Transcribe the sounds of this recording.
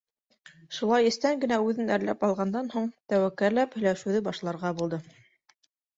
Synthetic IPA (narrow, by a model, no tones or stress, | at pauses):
ʃulˠɑjɘ̆st̪æŋɡɘ̆næʉðɘnæɾlæ̰pɑlˠʁɑnd̪ɑnhuɴt̪æwækːæɾlæphɵ̆jlæʃʉ̆wðɘbɑʃlˠɑɾʁɑbulˠd̪ɤ